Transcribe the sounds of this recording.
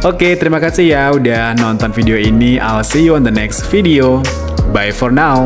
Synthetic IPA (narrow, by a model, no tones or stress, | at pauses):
ʔoket̪əɾimakasihjaudahnɔnt̪ɔnfideoinia̰lsiuɔnd̪ənɛksfidio | bajfɔrnaw